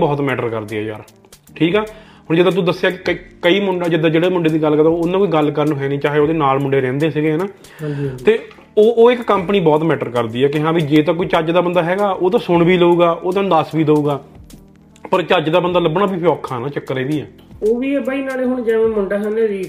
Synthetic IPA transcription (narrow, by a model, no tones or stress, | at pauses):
bɔːt̪mɛːʈəɾkəɾd̪iːɦɛːja̰ːɾ | ʈʰiːkɛː | ɦʊɳd͡ʒɪd̪ãːt̪ud̪əsːeaːkɪkəkəiːmʊɳɖaːd͡ʒɪd̪ãːd͡ʒeːɽeːmʊɳɖeːd̪iːɡəlkəɾd̪ãnãːkoiːɡəlkəɾnũːɦɛːniːt͡ʃaːɦeːoːd̪eːnaːlmʊɳɖeːɾɛ̃ːnd̪eːsiɡeːnaː | t̪eː | oːʔoːɪkkːəmpəniːbɔːt̪mɛːʈəɾkəɾd̪iːɛːk̬ɪɦãːʋiːd͡ʒeːt̪̬ãːkoiːt͡ʃəd͡ʒd̪aːbənd̪aːɦɛːɡaːʔoːt̪̬ãːsʊɳbiːləuːɡaːʔoːt̪ãd̪aːsbiːd̪əuːɡaː | pəɾt͡ʃəd͡ʒd̪aːbənd̪aːləbɽ̃aːbiːpʰːɔːkʰːaːnãːt͡ʃəkːəɾeːʋiːɛː | oːʋiːəbaːiːnaːleːɦʊɳd͡ʒɛ̃ːmẽːmʊɳɖaːsəneːd̪iː